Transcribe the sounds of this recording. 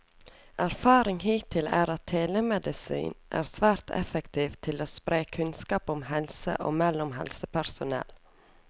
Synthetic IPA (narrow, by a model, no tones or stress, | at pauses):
ʔæɾfɑːɾɪŋhiːt̪ʰɪlæːɾɑt̪ʰːeːləmɛd̪ɪsḭːnʔæ̰ːɾsʋæːɾt̪ʰɛ̰fəkt̪ʰiːʋt̪ʰɪloːspɾeːkʰʉnskɑːpɔmhɛlsə̰ʔo̰ːmɛlʊmɦɛ̰lsəpæɾsʊnɛ̰l